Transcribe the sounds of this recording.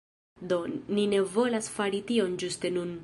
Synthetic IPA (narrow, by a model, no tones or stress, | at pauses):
do̞nine̞vo̞lasfaɾitio̞nd͡ʒuste̞nun